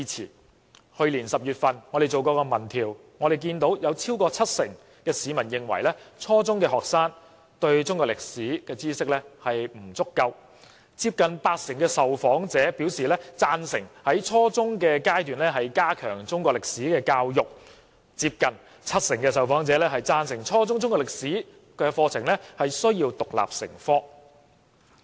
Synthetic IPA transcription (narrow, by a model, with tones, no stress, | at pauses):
iː˧t͡sʰḭː˨˩ | hɵ˧ɥliː˨˩nsɐ˨p̚jyː˨t̚fɐ˨nŋɔ˨˧e˨jt͡so˨wkɔː˧kɔː˧mɐ˨˩nt̪ʰiː˨˩w | ŋɔː˨˧d̪e˨jkiː˧nt̪o˨˥wjɐ˨˧wt͡sʰiː˥wkɔː˧t͡sʰɐ˥t̚sɪ˨˩ŋ | kɛː˧siː˨˧mɐ˨˩njɪ˨ŋwɐ˨˩jlɛː˥t͡sʰɔː˥t͡sʊ˥ŋkɛː˧ɦɔː˨k̚saː˥ŋ | t̪ɵ˧ɥt͡sʊ˥ŋkʷɔː˧klɪ˨k̚siː˨˥kɛː˧t͡siː˥sɪ˥k̚lɛː˥hɐ˨jm̩˨˩t͡sʊ˥kːɐ˧w | t͡siː˧p̚kɐ˨npaː˧t̚sɪ˨˩ŋkɛː˧sɐ˨wfɔː˨˥ŋt͡sɛː˨˥pi˨˥wsiː˨˩lɛː˥t͡saː˧nsɪ˨˩ŋhɐ˨˥jt͡sʰɔː˥t͡sʊ˥ŋkɛː˧kaː˥jt̪yː˨nlɛ˥ɦɐ˨jkaː˥kʰœ̰ː˨˩ŋt͡sʊ˥ŋkʷwɔ˧klɪ˨k̚siː˨˥kɛː˧kaː˧wjʊ˨k̚ | t͡siː˧p̚kɐ˨˩n | t͡sʰɐ˥t̚sɪ˨˩ŋkɛː˧sɐ˨wfɔː˨˥ŋt͡sɛː˨˥lɛː˥ɦɐ˨jt͡saː˧nsɪ˨˩ŋt͡sʰɔː˥t͡sʊ˥ŋt͡sʊ˥ŋkɔː˧˥lɪ˨k̚siː˨˥ | kɛː˧fɔː˧t͡sʰɪ˨˩ŋlɛ˥hɐ˨jsɵ˥ɥjiː˧wt̪ʊ˨k̚la̰ː˨p̚sɪ̰˨˩ŋfɔː˥